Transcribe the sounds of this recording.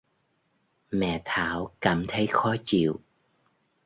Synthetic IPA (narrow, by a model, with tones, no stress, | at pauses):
mɛ̰˧˨t̪ʰaː˧˦wkaː˧˩mt̪ʰə˨˦jxɔ˨˦t͡ɕḭ˧˨əw